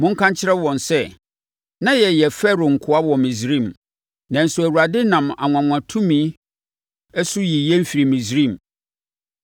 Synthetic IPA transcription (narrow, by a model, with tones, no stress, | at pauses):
mʊ̃˦ŋ̩˦kʰã˦ɲ˦t͡ɕʰɪ˦ɾɛ˦wɔ̃˨nsɛ˦ | nã˦jɛ˨jɛ˨fɛ˦ɾo˨ŋ̩˨kʰʊ˦a˦wɔ˨mĩ˨zɾĩ˦˨m | nã˨n̩˨sʊ˨æ˨wu˨ɾa˨dɪ˦nã˨ma̰˨ŋʷ˨ã˨ŋ˨ã˨tʰũ˦mĩ˨˦ | ɛ˦sʊ˦ji˨jɛ˦m̩˦˨fi˨ɾi˨mĩ˨zɾĩ˦˨m